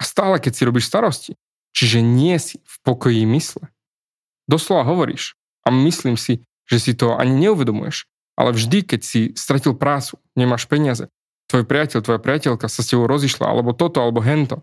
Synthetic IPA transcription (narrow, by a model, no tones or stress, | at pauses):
ast̪aːlɛkɛcsiɾɔbiʃst̪aɾɔsci | t͡ʃiʒɛɲɪɛsi̥fpɔkɔjimislɛ | d̪ɔslɔʋaɦɔʋɔɾḭːʃ | ʔamisliːmsi | ʒ̥ɛsit̪ɔa̰ɲiɲɛuʋɛd̪ɔmṵjɛ̰ʃ | ʔa̰lɛvʒd̪ikɛcsist̪ɾacilpɾaːt͡su̥ | ɲɛmaʃpɛɲɪazɛ̰ | t̪ʋɔjpɾɪacɛʎt̪ʋɔjapɾɪacɛʎkasascɛbɔʊɾɔziʃla̰a̰lɛbɔt̪ɔt̪ɔalɛbɔɦɛnt̪ɔ